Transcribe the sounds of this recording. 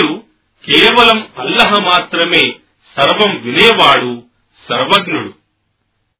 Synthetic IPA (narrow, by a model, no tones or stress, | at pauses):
u | keːʋɐlɐmɐlːɐɦɐmaːt̪ɾɐme̞ː | sɐɾʋɐmʋinɐːɐʋaːɽu | sɐɾʋɐɡnuɽu